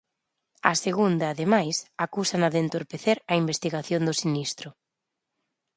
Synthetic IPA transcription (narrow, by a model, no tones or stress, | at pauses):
ɐ̰seɣund̪ɐːðemajsakusanaðent̪oɾpeθeɾɐimbest̪iɣaθjond̪ʊsinist̪ɾʊ